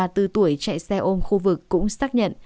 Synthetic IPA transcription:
t̪ɨ˨˩t̪u˨˩əjt͡ɕa̰˧˨jsɛ˧ʔo˧mxu˧vɨ˨˩kːʊ̰˧˥ŋ͡msaː˦˥k̚ɲə̰˧˨n

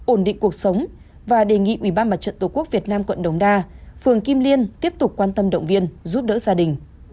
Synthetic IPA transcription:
ʔo˧˩nɗḭ̈˧˨ŋ̟ku˨˩ək̚sə˨˦wŋ͡m | vaː˨˩ɗe˨˩ŋḭ˧˨ʔwi˧˩ɓaː˧nma˨˩t̚t͡ɕə̰˧˨nt̪o˨˩ku˦˥ək̚vi˨˩ət̚naː˧mkwə̰˧˨nɗə˨˦wŋ͡mɗaː˧fɨ˨˩əŋki˧mli˧ənt̪i˦˥əp̚t̪ʊ˨˩k͡p̚kwaː˧nt̪ə˧mɗə̰˧˨wŋ͡mvi˧ənzu˦˥p̚ɗə̰ː˧˥zaː˧ɗï˨˩ŋ̟

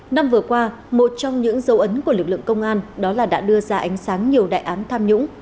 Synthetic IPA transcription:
na˧mvɨ˨˩əkwaː˧ | mo˨˩t̚t͡ɕɔ˧wŋ͡mɲɨ̰˧˥ŋzə˨˦wʔə˨˦nku˧˩əlɨ˨˩k̚lɨ̰˧˨əŋkə˧wŋ͡mʔaː˧nɗɔ˨˦laː˨˩ɗa̰ː˧˥ɗɨ˧əzaː˧ʔa˨˦jŋ̟saː˨˦ŋɲi˨˩əwɗa̰ː˧˨jʔaː˨˦nt̪ʰaː˧mɲʊ̰˧˥ŋ͡m

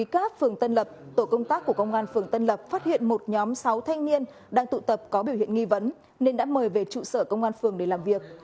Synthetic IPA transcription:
i˨˦kaː˦˥k̚fɨ˨˩əŋt̪ə˧nlə˨˩p̚t̪o˧˩kə˧wŋ͡mt̪aː˦˥kːu˧˩əkə˧wŋ͡mʔaː˧nfɨ˨˩əŋt̪ə˧nlə˨˩p̚faː˦˥t̚hḭ˧˨ənmo˨˩t̚ɲɔ˨˦msa˨˦wt̪ʰa˧jŋ̟ni˧ən | ɗaː˧ŋt̪ṵ˧˨t̪ə˨˩p̚kɔ˨˦ɓi˧˩whḭ˧˨ənŋi˧və˨˦n | ne˧nɗa̰ː˧˥məː˨˩jve˨˩t͡ɕṵ˧˨səː˧˩kə˧wŋ͡mʔaː˧nfɨ˨˩əŋɗe˧˩laː˨˩mvi˨˩ək̚

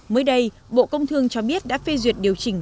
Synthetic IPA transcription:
məː˨˦jɗə˧j | ɓo̰˧˨kə˧wŋ͡mt̪ʰɨ˧əŋt͡ɕɔ˧ɓi˦˥ət̚ɗa̰ː˧˥fe˧zwi˨˩ət̚ɗi˨˩əwt͡ɕï˧˩ŋ̟

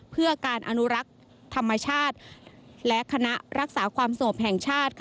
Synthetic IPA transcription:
pʰɯ˥˩ɐkaː˧nʔa˧nu˦˥ɾa˦˥k̚ | t̪ʰa˧mːa˧t͡ɕʰaː˥˩t̪̚lɛ˦˥ʔkʰa˧na˦˥ʔɾa˦˥k̚saː˩˦kʰwaː˧msa˧ŋo˨˩p̚ɦɛː˨˩ŋt͡ɕʰaː˥˩t̪̚kʰ

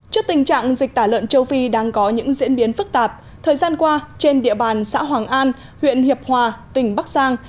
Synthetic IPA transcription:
t͡ɕɔ˦˧˥k̚t̪ï˨˩ŋ̟t͡ɕa̰ː˧˨ŋzi˨˩k̚t̪aː˧˩lwə̰˧˨nt͡ɕə˧wfi˧ɗaː˧ŋkɔ˨˦ɲɨ̰˧˥ŋzḭ˧˥ənɓi˨˦ənfɨ˦˥k̚t̪aː˨˩p̚ | t̪ʰəː˨˩jzaː˧nkwaː˧t͡ɕe˧nɗḭ˧˨əɓaː˨˩nsa̰ː˧˥ɦwaː˨˩ŋʔaː˧n | hwḭ˧˨ənhi˨˩əp̚hwaː˨˩t̪ï˨˧˩ŋ̟ɓa˦˥k̚zaː˧ŋ

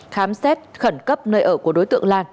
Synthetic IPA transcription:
xaː˨˦msɛ˦˥t̚xə˧˩nkə˦˥p̚nəː˧jʔəː˧˩ku˧˩əɗo˨˦jt̪ɨ̰˧˨əŋlaː˧n

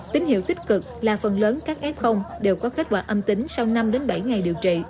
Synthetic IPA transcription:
t̪ï˨˦ŋ̟hḭ˧˨wt̪ï˥k̚kɨ˨˩k̚laː˨˩fə˨˩nləː˨˦nkaː˦˥k̚ʔɛ˦˥p̚xə˧wŋ͡mɗe˨˩wkɔ˨˦ke˦˥t̟̚kwa̰ː˧˩ʔə˧mt̪ï˨˦ŋ̟sa˧wna˧mɗe˨˦nɓa˧˩jŋa˨˩jɗi˨˩əwt͡ɕḭ˧˨

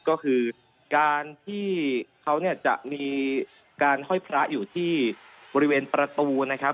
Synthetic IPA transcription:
kɔː˥˩kʰɯː˧ | kaː˧nt̪ʰiː˥˩kʰa˦˥wni˥˩ɐt͡ɕa̰˨˩ʔmiː˧ | kaː˧nhɔ˥˩jpʰɾa˦˥ʔjuː˨˩t̪ʰiː˥˩bɔː˧ɾi˦weː˧npɾa˧t̪uː˧na˦˥kʰp̚

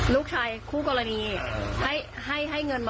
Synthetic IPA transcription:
nuː˦˥˩k̚t͡ɕʰaː˧jkʰuː˥˩kɔː˧ɾa˧niː˧ha˥˩jha˥˩jɦa˥˩jŋɤ˧nl

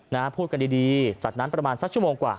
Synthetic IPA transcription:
naː˦˥pʰuː˥˩t̪̚ka˧ndiː˧diː˧t͡ɕa˨˩t̪̚na˦˥npɾa˧maː˧nsa˦˥k̚t͡ɕu˥˩moː˧ŋkwa̰ː˨˩

